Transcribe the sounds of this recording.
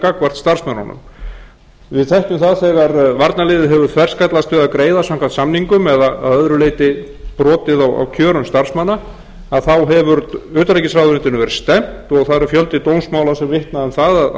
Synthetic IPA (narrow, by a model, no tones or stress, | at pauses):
kakvar̥t̪st̪ar̥smanɔ̰nʏ̰m | vɪðt̪ʰɛhcʏmθaðθɛɣaɾvaɾt̪nalɪːðɪɦɛvʏɾθʰvɛr̥skat̪last̪vɪðaðkɾeːjðasaŋkvat̪samniŋkʏmɛðaaðœðɾʏleːjt̪ɪ | pɾɔːt̪ɪðawa̰wcʰœːɾʏmst̪ar̥smanːa | aðθawɦɛvʏɾʏːt̪alɛjcɪsɾawðʏɾɪnt̪ɪnʏvɛɾɪst̪ɛm̥t̪ɔɣθaðɾfjœlt̪ɪt̪oːwnsmaːwlasɛmvɪht̪naðanθaðað